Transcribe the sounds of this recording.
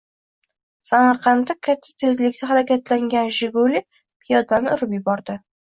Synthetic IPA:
samaɾqʰɑnd̪akʲʰat̪ʰːḁt̪ʰe̞zlɪkʲt̪aɦaɾakʲat̪laŋɡʲanʒɪɡʊlɪ | pʰɪjɒd̪anʊɾɪpjɪbɒɾd̪ɪ

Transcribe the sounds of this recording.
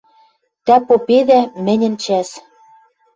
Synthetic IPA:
t̪æpopeðæmɘ̆nʲɘ̆nt͡ɕæʃ

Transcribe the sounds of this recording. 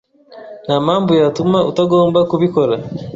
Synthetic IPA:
namaːmbujatumautaɡo̞ːmbakuβikoɾa

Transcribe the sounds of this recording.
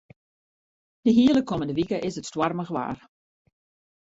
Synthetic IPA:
d̥əɦiələkʰɔməndəʋikəʔɪsətstwarməɣəʋa̰ːr

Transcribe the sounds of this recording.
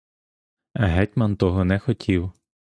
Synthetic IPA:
ɐɦɛtʲmɐnt̪ɔɦɔnɛxɔtʲʰiw

